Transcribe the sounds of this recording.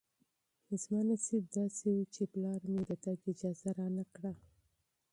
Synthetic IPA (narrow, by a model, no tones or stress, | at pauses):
ɪzmɑnasib̚d̪ɑsewut͡ʃeplɑɾmed̪əd̪aɡɪd͡ʒɑzaɾɑnakɽa